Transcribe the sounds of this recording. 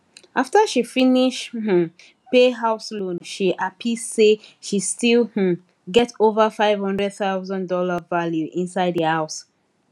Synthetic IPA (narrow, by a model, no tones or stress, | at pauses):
ʔaftəʃifiniʃh̩ | peɦaʊslõnʃiʔapʰisseʃistilˠh̩ | ɡɛtovəfaɪv̥hʌ̃ndɹɛd̚θaʊzə̃ndɔlavaljuʔĩnsaɪdðəhaʊs